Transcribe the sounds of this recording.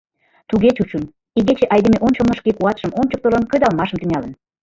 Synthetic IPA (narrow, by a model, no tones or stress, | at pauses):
t̪uɣet͡ɕut͡ɕun | iɣet͡ɕeʔɑjd̪emeʔonʲt͡ɕomnə̆ʃkekuɑt̪ʃəmonʲt͡ɕəkt̪olənkəd̪ɑlmɑʃəmt̪yŋʲɑlə̆n